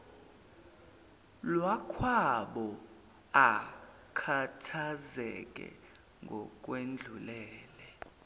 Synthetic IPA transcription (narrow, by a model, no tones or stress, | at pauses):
lwakʰwaɓɔ | a | kʰatʰazɛkʼɛ̰ | ŋɡʱɔkʼwend͡ɮʱulɛːlɛ